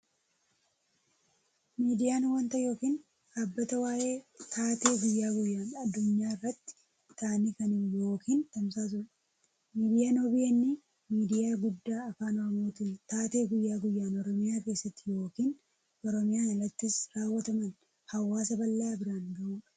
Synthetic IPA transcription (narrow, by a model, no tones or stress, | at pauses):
miːd̪ɪjaːnwɐnt̪ɐjo̞ːkiːn | aːbːɐt̪ɐwaːʔe̞ːt̪ʰaːt̪e̞ːɡʊjːaːɡʊjːaːnɐd̪ːʊɲːaːɪrːɐt̪ːɪ̥ | t̪aːnikɐnɪmjo̞ːkiːnt̪ɐmsaːt̪̬ʊᶑɐ̥ | miːd̪ɪjaːnobɪjɐnːɪ | miːd̪ɪjaːɡʊd̪ːaːɐfaːnɔɐmoːt̪ɪnt̪aːt̪e̞ːɡʊjːaːɡʊjːaːnɔɾɔmɪjaːke̞ːsːɐt̪ːɪjo̞ːkiːn | ʔɔɾɔmɪjaːɐlːɐt̪ːɪsɾaːwːɐt̪ɐmɐn | hɐwːaːsɐbɐlːɐabɪɾaːnɡɐʔuːᶑɐ̥